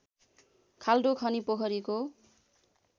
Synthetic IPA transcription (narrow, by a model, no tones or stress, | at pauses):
kʰaldokʰʌnipokʰʌɾiko